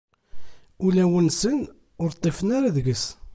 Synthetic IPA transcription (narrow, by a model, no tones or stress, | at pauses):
ʊlæwənsən | ʊɾt̪ˤːefənaɾaðɡəs